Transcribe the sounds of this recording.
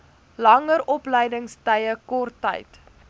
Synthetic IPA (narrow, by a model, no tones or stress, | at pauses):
lɐŋəɾɔpləjdəŋstəjəkɔrtːɛ̰jt